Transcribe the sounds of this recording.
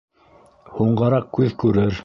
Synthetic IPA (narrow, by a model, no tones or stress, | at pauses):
huɴɢɑɾɑq̚kʉðkʉɾɘɾ